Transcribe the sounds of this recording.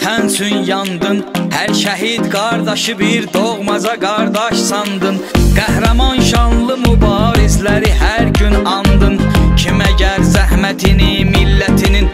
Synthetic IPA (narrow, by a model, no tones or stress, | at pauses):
t̪ʰænsʰynjɑnd̪ɯnhæɾʃæɦid̪ɡɑɾd̪ɑʃɯbiɾd̪oʁmɑzɑɡɑɾd̪ɑʃsɑnd̪ɯnɡ̥æhɾæmɑnʃɑnlˠɯmubɑːɾizlæɾiɦæɾɟynɑnd̪ɯncʰimæɟæɾzæhmæt̪ʰinimilːæt̪ʰinin